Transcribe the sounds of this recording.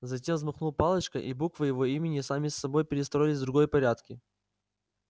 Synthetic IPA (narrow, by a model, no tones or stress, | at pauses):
zɐtʲe̞mvzmɐχnulˠpalˠət͡ɕkəʔibukvɨjɪvo̞imʲɪnʲɪsamʲɪsːɐbo̞jpʲɪɾʲɪst̪ɾo̞jɪlʲɪzʲd̪ɾʊɡo̞jpɐɾʲat̪kʲɪ